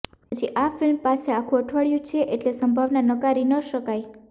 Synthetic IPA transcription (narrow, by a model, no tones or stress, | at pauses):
ɦəd͡ʒiʔafɪlmpaseakʰũəʈʰʋaɭjũt͡ʃʰeʔeʈlesəmbʱaʋnanəkaɾinəʃəkaj